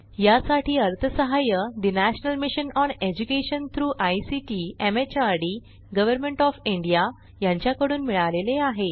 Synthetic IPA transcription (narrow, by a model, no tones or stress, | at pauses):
jasaʈʰiːəɾt̪ʰəsəɦajəd̪inæɕənəlmiɕənɔned͡ʑukeɕənt̪ʰɾuːʔajsiʈiːemet͡ɕaɾɽi | ɡəʋəɾmeɳʈɔfiɳɖija | jãɲt͡ɕjakəɽuːnmiɭaleleaɦe